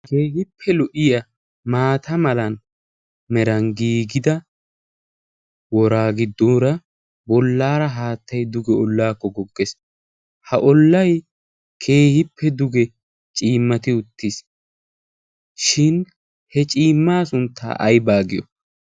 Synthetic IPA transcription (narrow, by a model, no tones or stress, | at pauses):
keːɦɪpʰːɛlʊʔɪjɐ | maːt̪ɐmɐlɐn | mɛɾɐnɡiːɡɪd̪ɐ | wɔɾaːɡɪd̪ːoːɾɐ | bɔlːaːɾɐɦaːt̪ːɐjd̪ʊɡɛɔlːaːkːɔɡɔɡːes | hɐʔɔlːɐj | kʰe̞ːhɪpːɛd̪ʊɡɛ | t͡ʃʼiːmːɐt̪ɪʊt̪ːɪs | ʃɪn | hɛt͡ʃʼiːmːaːsʊnt̪ːa̰ːʔɐjbaːɡɪjɔ̰